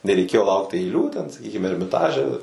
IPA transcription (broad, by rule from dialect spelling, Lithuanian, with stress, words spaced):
nʲɛrʲɛɪˈkʲeːjoː ˈlˠɐʊkt ɐɪˈlʲuː tʲɛn sɐˈkʲiːkʲɪm ɛrʲmʲɪˈtɑːʒʲɛ